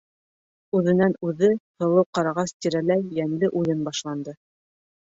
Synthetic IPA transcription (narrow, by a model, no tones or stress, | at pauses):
ʉðɘ̆nænʉðɘhɤ̆lˠɤwqɑɾɑʁɑst̪ʲiɾælæjːænlɘʔujɤnbɑʃlˠɑnd̪ɤ